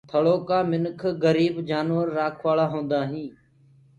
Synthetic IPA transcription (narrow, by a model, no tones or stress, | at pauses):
t̪ʰəɭoːkaːmɪnkʰɡəɾiːbd͡ʒaːnʋəɾːaːkʰʋaːɭaːɦõːnd̪aːɦĩː